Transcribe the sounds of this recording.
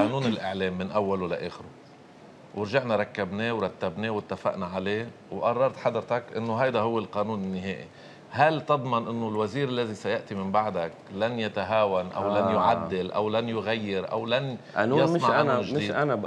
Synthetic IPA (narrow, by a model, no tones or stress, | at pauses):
ʔanuːnɪlʔɪʕleːmːɪnʔawːalla̰ʔeːxɪɾu | wʔɪɾʒaʕnaɾˤɑkːabneːwɾˤɑt̪ːabneːwɪt̪ːafa̰ʔnaʕaleː | wʔɑrˤːɑɾˤt̪ħad̪ɾt̪akʔɪ̰nːoɦajd̪aɦʊwːɪlqɑːnuːnɪnːɪɦḛːʔḭ | halt̪ɨd̪ˤmɑnʔɪnːolwaziːɾɪlːazisajaʔt̪imɪmbaʕd̪aklanjat̪aɦaːwanʔa̰wlanjʊʕad̪ːɪlʔa̰wlanjʊɣajːɪɾʔa̰wlanʔa̰nuːjɑsˤɪnɑʕanːʒd̪iːdana